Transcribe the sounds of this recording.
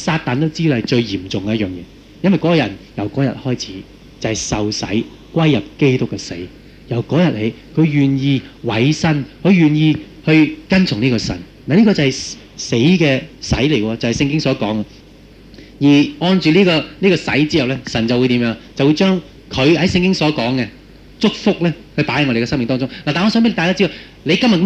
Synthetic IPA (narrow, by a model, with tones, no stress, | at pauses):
saː˧t̚t̪aː˨nt̪o˥wt͡siː˥˨hɐ˨jt͡ʃɵ˧ɥjiː˨˩mt͡sʊ˨ŋkɛ˧jɐ˥t̚jœː˨˩ŋjɛ̰ː˨˧ | jɐ˥nwɐ˨jkɔː˨˥kɔː˧jɐ˨˩njɐ˨˩wkɔː˨˥jɐ̰˨t̚hɔː˥jt͡sʰi̥ː˨˥ | t͡sɐ˨˩hɐ˨jsɐ˨wsɐ̰˨˥j | kwɐ˥jːɐ˨p̚ke˥jt̪ʊ˥kːɛː˧se˨˥j | jɐ˨˩wkɔː˨˥jɐ˨t̚le˨˩jkʰɵ˨˧ɥjyː˨njiː˧wɐ˨˥jsɐ˥nkʰɵ˨˧ɥjyː˨njiː˧ | hɵ˧kɐ˥nt͡sʰʊ˨˩ŋniː˥kɔː˧sɐ̰˨˩n | naː˨liː˥kɔː˧t͡sɐ˨hɛ˨j | se˨˥jkɛː˧sɐ̰˨˥jle˨˩jkːɔː˧t͡sɐ˨whɐ˨˩jsɪ˧ŋk̬ɪ˥ŋsɔː˨˥kɔː˨˥ŋa˧ | jiː˨˩ŋɔː˧nt͡ʃyː˨liː˥kɔː˧niː˥kɔː˧sɐ̰˨˥jt͡siː˥jɐ˨wlɛː˥sɐ˨˩nt͡sɐ˨wu˨˧jt̪i˨˥mjœː˨˧ŋt͡sɐ˨wuː˨˧jt͡ʃœː˥ŋ | kʰɵ˨˧ɥhɐ˨˥jsɪ˧ŋkɪ˥ŋsɔː˨˥kɔː˨˥ŋɡɛ˧ | t͡sʊ˥k̚fʊ˥k̚lɛː˥hɵ˧ɥpaː˨˥hɐ˧jŋɔ˧ɾe˨kɛ˧sɐ˥ŋmɪ˨ŋt̪ɔː˥ŋt͡sʊ˥ŋnla˨t̪aː˨nŋɔː˧sœː˨˥pe˥ltaː˧jkaː˥t͡si˥d̪o˨w | le˨˧kɐ˥mɐ˨tk